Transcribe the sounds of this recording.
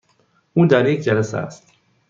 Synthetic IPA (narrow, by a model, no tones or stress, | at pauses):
ʔuːd̪æɾjecʰd͡ʒælæsḛæ̰st̪